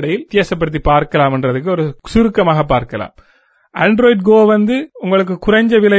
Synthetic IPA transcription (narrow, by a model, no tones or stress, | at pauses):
ɽɐjɪlt̪eːsɐp̬ːɐɽɯt̪̬ːipaːɾkɐlaːmɛndrɐðɯkːɯɔɾɯsʊɾɯkːɐmaːɣɐp̬ːaːɾkɐla̰ːm | ɐnɖɾoːɪɖɡoːʋɐnd̪ɯʊŋɡɐɭɯk̬ːɯkʊrɐɲd͡ʒɐʋɪlɐ